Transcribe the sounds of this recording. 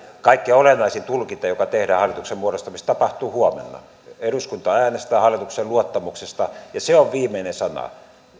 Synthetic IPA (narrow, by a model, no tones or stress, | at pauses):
kɑikːiolenːɑisint̪ulkint̪ɑjokɑt̪ehɾæːhɑlːˑit̪uksemmuoɾost̪ɑmist̪ɑpɑht̪uːhuomḛnːɑ̰ | eruskunt̪ɑæːnest̪æːhɑlːˑit̪ukseluot̪ːɑmuksest̪ɑjɑseoʋʋiːmˑeinesɑnɑ̰